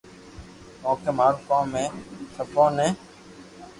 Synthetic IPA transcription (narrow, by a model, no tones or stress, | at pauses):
moːkemaːɾkãːmːẽːsʰəpõːnẽː